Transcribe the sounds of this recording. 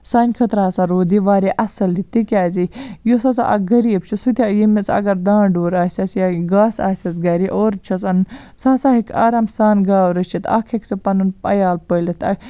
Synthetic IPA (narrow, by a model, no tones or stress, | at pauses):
saːnʲkʰɐt̪ɾasaɾoːd̪iʋaːɾeʔɐsɐld̪it̪ikʲaːzijosasa̰ʔɐ̰ɡɐɾiːbt͡ʃʰisut̪ʰʲaːjimit͡sɐ̰ɡɐɾd̪ãːɖoːɾaːsʲɐsjaɡaːsa̰ːsʲɐsɡɐɾiʔoːɾt͡ʃʰɐsɐn | saːsaːɦikʰa̰ːɾamsaːnɡaːʋɾɐt͡ʃʰit̪a̰ːkʰekt͡sɐpɐnunpɐjaːlpəlit̪ɐ̰k